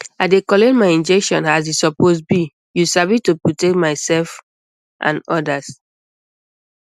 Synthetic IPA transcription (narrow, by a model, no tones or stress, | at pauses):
aɪdekɔletmaɪĩnd͡ʒɛkʃɔ̰̃nazisɔposbi | jusavitupɹotek̚tmaɪsɛlf | ʔã̰nɔdas